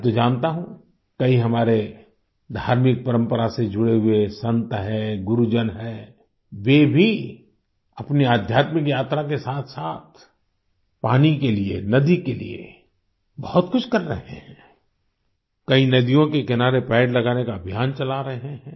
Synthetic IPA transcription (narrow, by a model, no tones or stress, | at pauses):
t̪od͡ʒaːnt̪aɦũ | kɐiɦɐmaːɾe | d̪ʱaːɾmɪk̚pɐɾə̃mpəɾased͡ʒʊɽeɦʊesɐ̃nt̪ɦɛɡʊɾud͡ʒənɦɛː | ʋeːbʱi | ɐpniaːd̪ʱjaːt̪mɪkjaːt̪ɾakesaːt̪ʰsaːt̪ʰ | paːnikeliḛnɐd̪ikelḭḛ | bɐhʊt̪kʊt͡ʃʰkɐɾːɐ̰ɦḛhɛ̃ː | kɐinɐd̪ijõkekɪnaːɾepɛːɖlɐɡaːnekaəbʱjaːnt͡ʃɐlaɾɐɦẽɦɛ̃ː